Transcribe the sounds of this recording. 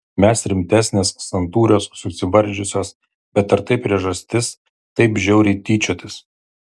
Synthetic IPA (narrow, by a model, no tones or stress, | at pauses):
mʲɛsɾʲɪmʲt̪ʲæːsʲnʲeːssɐnt̪uːɾʲoːsːʊsʲɪʋɐɾʲˑd͡ʒʲʊsʲoːs | bʲɛt̪ɐɾt̪ɐɪpʲɾʲiɛʒɐsʲt̪ʲɪs | t̪ɐɪpʒʲɛʊɾʲɪt̪ʲiːt͡ʃʲoːt̪ʲɪs